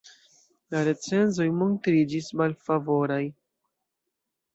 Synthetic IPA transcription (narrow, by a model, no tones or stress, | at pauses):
laɾe̞t͡se̞nzo̞jmontɾid͡ʒismalfavo̞ɾaj